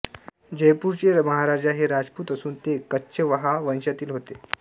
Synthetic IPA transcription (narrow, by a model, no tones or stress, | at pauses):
d͡ʑəjpuːɾt͡ɕeməɦaɾad͡ʑaɦeɾad͡zpuːt̪əsuːnt̪ekətːɕʰəʋəɦaʋə̃nɕjat̪iːlɦot̪e